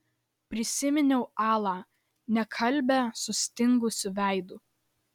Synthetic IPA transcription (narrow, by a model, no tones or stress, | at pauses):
pʲɾʲɪsʲɪmʲɪnʲɛʊɑːlˠɑː | nʲɛkʰɐlʲbʲɛsʊsʲt̪ʲɪŋɡʊsʲʊʋʲæˑɪd̪ʊ